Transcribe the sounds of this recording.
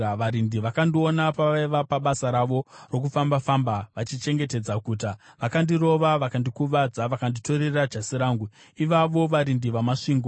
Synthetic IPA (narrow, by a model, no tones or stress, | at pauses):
ʋaɾindiʋakandio̞napaʋaiʋapaɓasaɾaʋo̞ro̞k̬ufambafambaʋat͡ʃit͡ʃe̞ŋɡe̞te̞d͡zakuːt̬aʋakandiro̞ʋaʋakandikuʋad͡zaʋakandito̞ɾe̞rad͡ʒasiɾaːŋɡu | iʋaʋo̞ʋaɾindiʋamaʂiːŋɡo